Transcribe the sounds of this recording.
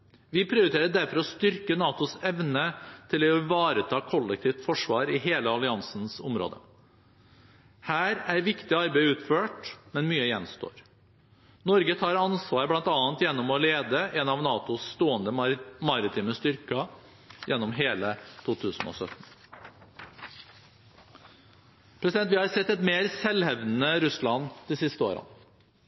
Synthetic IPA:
ʋɪpʰɾɪʊɾɪt̪ʰeːɾəɖæɾfɔɾɔst̪ʏɾkənɑːt̪ʊsɛʋnət̪ʰɪlɔʋɑːɾət̪ʰɑːkʰɔlːɛk̚t̪ʰiːft̪fɔʂʋɑːɾɪɦeːləɑlɪɑnsn̩sʊmɾo̰ːd̪ə̰ | hæːɾæɾʋɪkt̪ɪɑɾbeɪʉːt̪føːʈmɛnmyːəjɛnst̪o̰ːɾ | nɔɾɡət̪ʰɑːɾɑnsʋɑːɾəblɑnt̪ɑːənt̪jɛnːɔmɔleːd̪əʔɛnɑʋnɑːt̪ʊst̪oːənd̪əmɑɾɪt̪ʰiːməst̪ʏɾkɑ | jʔɛnːɔmɦeːlət̪ʰuːt̪ʰʉːsn̩o̰sœt̪n̩ | pʰɾɛsɪd̪ɛnt̪ʋɪːhɑɾsɛt̪ːɛt̪meːɾsɛlhɛʋnn̩əɾʉslɑnd̪̥ɪsɪst̪əo̰ːɾə̰n

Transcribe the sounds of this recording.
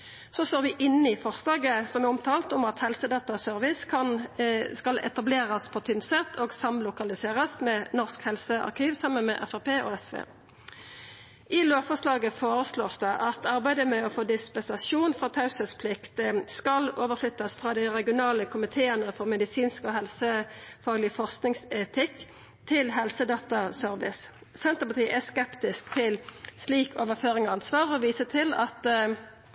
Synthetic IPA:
sɔsoːʁʋɪʔɪnːɪfɔʁslɑːɡəsɔmæʁʊmt̪ʰɑːlt̪ʊmɑt̪hɛlsəd̪ɑːt̪ɑsœʁʋɪskʰɑnskɑlɛ̰t̪ɑbleːʁɑspʰɔt̪ʰʏnsɛt̪ʰːoːɡsɑmlʊkɑlɪseːʁəsmɛːnɔʁskhɛlsəʔɑ̰ʁkʰiːʋsɑmənmɛ̰ʔæfæʁpeːʔɔ̰ɛsʋḛː | ʔɪloːfɔʁslɑːɡəfoːɾəsloːʁsd̪ɛʔɑt̪ʰɑʁbæɪd̪əmɛɔfoːd̪ɪspɛnsɑsuːnfʁɑːt̪ʰɑʉsəspʰlɪkt̪skɑloːʋəʁflʏt̪ːɑsfʁɑːd̪æɪʁɛɡɪʊnɑːləkʰʊmɪt̪ʰeːənəfɔʁmɛd̪ɪsiːnskɔːɦɛlsəfɑːɡlɪəfɔʁsknɪŋsɛt̪ʰɪk | t̪ʰɪlɦɛlsəd̪ɑːt̪ɑsœʁʋɪ̰s | sɛnt̪əʁpɑt̪ʰiːʔæskɛpt̪ɪsk̚t̪ʰɪlsliːkʰoːʋəʁføːʁɪŋɔɑnsʋɑːʁɔʋiːsət̪ʰɪlɑt̪

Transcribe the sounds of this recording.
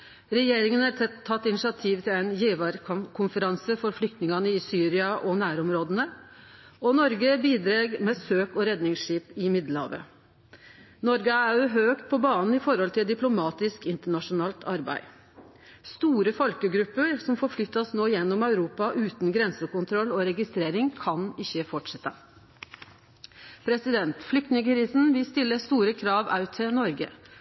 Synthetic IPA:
ɾɛjeːɾɪŋənæt̪ʰɛt̪ʰːɑt̪ːɪnɪʂɪɑt̪ʰiːʋt̪ʰɪlæɪnjeːʋɑɾkʰʊnfəɾɑnsəfɔɾflʏk̚t̪nɪŋɑnəɪsyːɾɪɑʔɔnæːɾɔmɾoːd̪ənə | ɔnɔɾɡəbiːd̪ɾeːɡmɛːsøːkɔɾɛd̪nɪŋsʂiːpɪmɪd̪lhɑ̰ːʋə̰ | nɔɾɡəæʉɦøːkt̪̚pʰɔbɑːnn̩ɪfɔɾhɔlt̪ʰɪld̪ɪplʊmɑːt̪ɪskɪnt̪əɳɑʂʊnɑːlt̪ʰɑɾbæ̰ɪ | st̪uːɾəfɔlkəɡɾʉpːəɾsɔmfɔːɾflʏt̪ːɑsnoːɪjɛnːɔmɑʉɾuːpɑʔʉːt̪nɡɾɛnsəkʊnt̪ʰɾɔlːɔɾɛɡɪst̪ɾeːɾɪŋkʰɑnɪçːəfɔʈʂɛt̪ːə | pʰɾɛsɪd̪ɛnt̪flʏkt̪nɪŋəkʰɾiːsn̩ʋɪst̪ɪlːəst̪uːɾəkʰɾɑːʋɑ̰ʉt̪ʰɪnɔɾɡə̰

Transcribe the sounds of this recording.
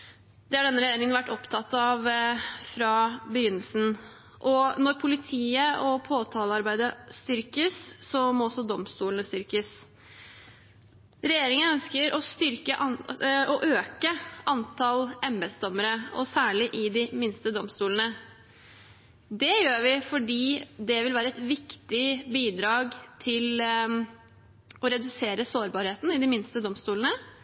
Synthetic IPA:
d̪ɛhɑɖɛnːəɾɛjeːɾɪŋənʋæʈːɔpt̪ʰɑt̪ːɑʋfɾɑbəjʏnːəlsn̩ | ʔɔnɔɾpʰʊlɪt̪ʰiːəʔɔpʰoːt̪ʰɑːləɑɾbæɪd̪əst̪ʏɾkəsːɔmɔɔsːɔd̪ɔmst̪uːlnəst̪ʏɾkəs | ɾɛjeːɾɪŋənœnskəɾʔɔst̪ʏɾkəʔɑɔʔøːkəʔɑnt̪ʰɑlɛmbɛd̪sd̪ɔmːəɾəɔ̰sæːɭɪʔɪd̪ɪmɪnst̪əd̪ɔmst̪uːlən̩ə | d̪ɛjøːʋɪfɔɖiːd̪ɛʋɪlʋæːɾəɛt̪ʋɪkt̪ɪbiːd̪ɾɑːɡt̪ʰɪl | ɔɾɛd̪ʉseːɾəsoːɾbɑːɾheːt̪n̩ɪd̪ɪmɪnst̪əd̪ɔmst̪uːln̩ə

